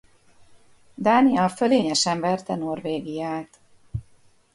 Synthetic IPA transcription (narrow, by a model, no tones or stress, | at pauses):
d̪aːniɒføleːɲɛʃɛɱvɛrt̪ɛno̞rveːɡijaːt̪